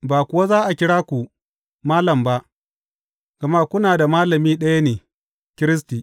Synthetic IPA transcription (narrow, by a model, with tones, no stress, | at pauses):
baː˨kʷʊ˨wa˦zaː˦ʔa˨kʲɪ˦ɽaː˦kʷu˨ | maː˦lɐ˨mba˦ʔ | ɡ̥a˨ma˦kʷʊ˦naː˨da˨maː˦lɐ˨miː˦ɗɐ˦ja˦neː˨ | kʲɪ˦ɾɪ˦s̬tiː˨